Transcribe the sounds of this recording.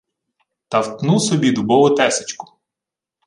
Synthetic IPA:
t̪ɐwt̪nusɔbʲid̪ʊbɔʋʊt̪ɛsɪ̥t͡ʃkʊ̥

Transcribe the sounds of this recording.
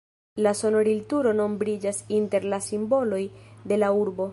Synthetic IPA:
laso̞no̞ɾiltuɾo̞no̞mbɾid͡ʒasinte̞ɾlasimbo̞lo̞jde̞lauɾbo̞

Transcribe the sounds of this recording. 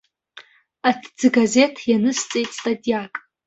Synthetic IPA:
atʰd͡zɨɡaze̞tʰjanɨst͡sʼejtʼstʼatʲʼijakʼ

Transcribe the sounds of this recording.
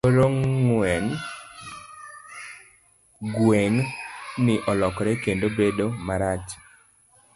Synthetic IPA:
oɾoŋŋwɛn | ɡweŋnɪʔɔlɔkɾɛkendobedomaɾat͡ʃ

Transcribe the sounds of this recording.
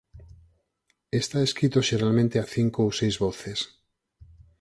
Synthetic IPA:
est̪aeskɾit̪oʃeɾalmẽnt̪eaθiŋkoosejzβɔθes

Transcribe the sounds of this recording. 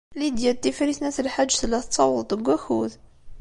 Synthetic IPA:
lid̪jælt̪ːifɾisnæθəlħad̪ʒːθlæθt̪sˤɑwəðˤt̪ˤəɡʷːæxuð

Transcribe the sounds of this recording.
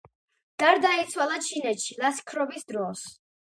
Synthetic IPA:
d̪̥aɾd̪ait̪sʰwalˠat͡ʃʰinɛt̪ʃilaskʰɾɔbisd̪ɾɔs

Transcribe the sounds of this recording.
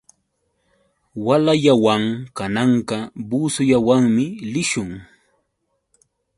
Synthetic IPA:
walaʎawaŋkanɑɴɢɑbuːsʊʎawaŋmɪlɪʃʊŋ

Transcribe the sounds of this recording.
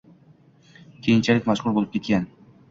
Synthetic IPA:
kʲʰe̞jɪnt͡ʃʰalɪkʲmaʃʁʊɾˠbolˠɪp̚kʰʲe̞t̪kʲan

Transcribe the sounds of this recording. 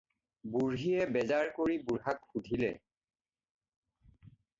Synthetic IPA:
buɹɦiɛbɛzaɹkoɹibuɹɦakxudʱilɛ

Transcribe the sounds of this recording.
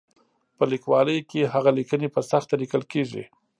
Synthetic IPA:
pəlikwɑləjkeɦaɣalikənepəsaxt̪alikəlkeʐḭ

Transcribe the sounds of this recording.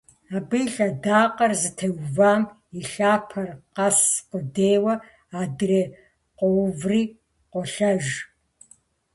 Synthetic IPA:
aːbɨjɬʼɐdaːqʼɐrzɨtʰɐwvaːm | iɬaːpʰɐrqɐsqʷʊdeːwɐ | aːdɨreː | qʷɔwvriː | qʷɔɬɐʒ

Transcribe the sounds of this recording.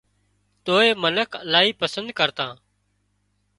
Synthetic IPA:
t̪oːeːmənəkʰəlaːiːpəsənd̪̚kəɾt̪ãː

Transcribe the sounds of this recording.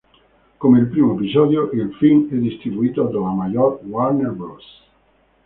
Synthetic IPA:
komeelpɾimoep̬izɔd̪joʔilfilmɛd̪ist̪ɾiβuit̪od̪olamajɔɾwaɾneɾbɾos

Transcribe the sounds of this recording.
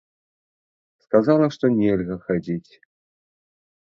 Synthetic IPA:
skazalˠɐʂt̪ɔnʲɛlʲɣɐxad͡zʲit͡sʲ

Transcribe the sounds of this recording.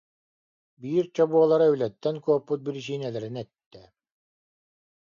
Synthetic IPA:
biːɾt͡ɕɔbuɔlˠaɾaylɛt̪ːɛnkuɔpːut̪̚biɾis̬iːnɛlɛɾinɛt̪ːɛ

